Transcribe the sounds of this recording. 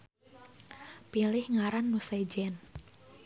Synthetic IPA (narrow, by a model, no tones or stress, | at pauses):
pilɪhŋaɾanːusɛd͡ʒɛn